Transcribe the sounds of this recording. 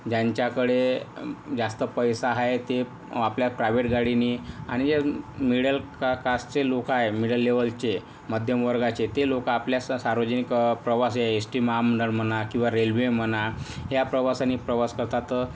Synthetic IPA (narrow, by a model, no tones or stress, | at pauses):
d͡ʑaɲt͡ɕjakəɽe | d͡zast̪əpəjsaɦaet̪e | apljapɾajʋeʈɡaɽiniaɽ̃id͡ʑemiɽəlkakast͡selokaɦemiɽəlːeʋəlt͡ɕe | məd̪ʱjəmʋəɾɡat͡ɕet̪elokaːpljassaɾʋəd͡zənikpɾəʋasjeesʈimaɦaməɳɖəɽm̤ənakĩw̃ʋaɾelʋem̤ənaɦjapɾəʋasanipɾəʋaskəɾt̪at̪